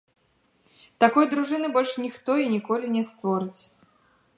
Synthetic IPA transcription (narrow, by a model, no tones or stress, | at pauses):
t̪akɔjd̪ɾuʐɨnɨbɔlʲʂnʲixt̪ɔinʲikɔlʲinʲɛst̪vɔɾɨt͡sʲ